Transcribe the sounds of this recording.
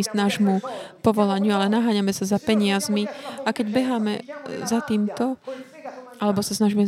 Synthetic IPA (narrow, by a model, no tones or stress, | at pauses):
snaːʒmupɔʋɔlaɲɪualɛnaɦaːɲamɛsazapɛɲɪazmiakɛɟbɛɦaːmɛzat̪iːmt̪ɔ | ʔalɛbɔsasnaʒimɛ